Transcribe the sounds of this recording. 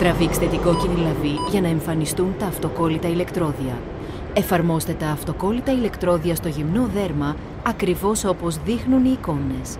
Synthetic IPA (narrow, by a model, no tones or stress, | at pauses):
t̪ɾɐvikst̪et̪iko̞cinilɐviʝɐnɐe̞ɱfɐnist̪unt̪ɐːft̪o̞ko̞lit̪ɐile̞kt̪ɾo̞ðiɐ | e̞fɐɾmo̞st̪e̞t̪ɐːft̪o̞ko̞lit̪ɐile̞kt̪ɾo̞ðiɐst̪o̞ʝimno̞ðe̞ɾmɐ | ɐkɾivo̞so̞po̞zðixnuniːko̞ne̞s